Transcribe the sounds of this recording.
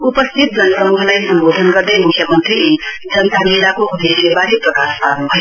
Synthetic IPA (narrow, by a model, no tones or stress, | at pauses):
upʌst̪ʰit̪̚d͡zʌnsʌmuɦlajsʌmbod̪ʱənɡʌɾd̪ʌmukʰjʌmənt̪ɾi | d͡zʌnt̪ameɾakoud̪eslebaɾiprəkast̪ʰanbʱʌe